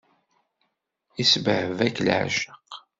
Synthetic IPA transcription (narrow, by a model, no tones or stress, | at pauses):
isbʕəvækːlʕ̰ʒəq